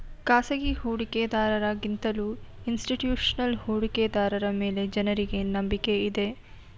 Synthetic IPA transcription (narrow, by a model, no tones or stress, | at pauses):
kaːsɐɡihuːɽiked̪aːɾɐɾaɡint̪ɐluː | insʈiʈjuːʂɐnɐlhuːɽiked̪aːɾɐɾɐme̞ːle̞d͡ʒɐnɐɾiɡe̞nɐmbike̞id̪e̞